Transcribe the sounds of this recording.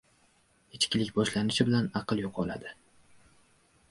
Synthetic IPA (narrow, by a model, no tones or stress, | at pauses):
et͡ʃkʲɪlɪkʲbɒʃlanɪʃɪbɪlanɑqʰɨlˠjoqʰɒlˠa̰d̪ɪ